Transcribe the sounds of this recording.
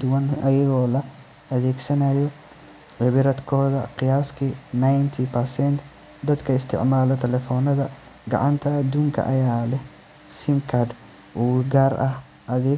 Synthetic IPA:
d̪ʊwɐnʔɐjɐɣɔːlɐ | ʔɐðɛːɡsɐnɐjɔ | ʕɪβɪɾɐd̪kʰɔːðɐ̰qɪjaːskʰinajnt̪ʰipʰɐrsɛnt̪ | d̪ɐd̪kʰɐɪst̪ʰɪ̰ʕmaːlɔt̪ʰɛlɛfɔːnɐðɐ | ɡɑ̰ʕɑnt̪ʰɐːd̪uːŋkʰɐ̰ʔɐjaːlɛh | sɪmkʰɐd̪ | ʔuːɡaːrʔɐh | ʔɐðɛ

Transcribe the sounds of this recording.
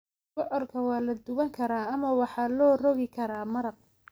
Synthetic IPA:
bɔʕɔrkʰɐwɑːlɐd̪ʊɣɐŋkʰɐɾaːɐmɐwɑħɑːlɔːrɔɣɪkʰɐɾaːmɐɾɐq̚

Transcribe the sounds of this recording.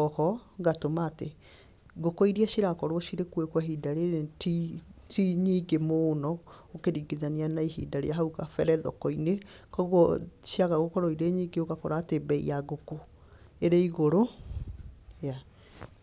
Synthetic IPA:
ɔhɔɣatomaːte | ɡokoiɾiaʃiɾakɔɾwɔʃiɾekwekwaɦidaɾetitiɲiːɡemoːnɔokeɾiːɡiðanianaiɦḭdaɾḛjaɦauɣafɛɾɛðɔ̰kɔinekɔɣwɔʃiaɣaɣokɔɾɔiɾeɲiːɡeoɣakɔɾaːtebɛḭjaɣoko | eɾeiɣoɾo | ja

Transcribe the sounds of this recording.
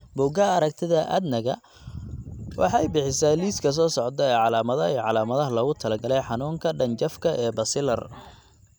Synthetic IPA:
bʊɡɐɐɾɐkt̪ʰɪðɐʔɐ̰d̪nɐɣɐ̰ | wʔɑ̰ħɑjbɪħɪsaːliːskʰɐs̬ɔːsɔʕd̪ɐɛːʕɑlaːmɐðɐiːʕɑlaːmɐðɐɦɐlɔːɣʊt̪ʰɐlɐɡɐlɛjħɑnuːŋkʰɐɖɐɲt͡ʃɐfkʰɐʔɛːbɐsɪlɐ̰r

